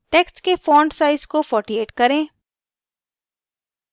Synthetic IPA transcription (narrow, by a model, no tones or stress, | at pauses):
ʈeːksʈkefɔ̃ːɳɖsaːɪzkofɔːʈieːʈkɐɾẽː